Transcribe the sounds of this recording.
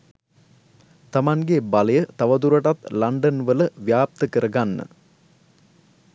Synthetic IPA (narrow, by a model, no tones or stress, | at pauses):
t̪ɐmaŋɡebaləjət̪ɐʋɐd̪uɾəʈat̪lɐɳɖənʋələʋjaːp̚t̪əkəɾəɡanːə̰